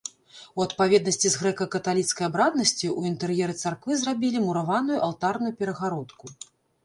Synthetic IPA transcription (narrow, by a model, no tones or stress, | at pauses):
uɐt̪pavʲɛd̪nɐsʲt͡sʲizɣɾɛkɐkɐt̪alʲit̪skɐjabɾad̪̚nɐsʲt͡sʲiʔuint̪ɛɾjɛɾɨt̪sarkvɨzrabʲilʲimuɾavanujuʔalˠt̪arnujupʲɛɾɐɣaɾɔt̪ku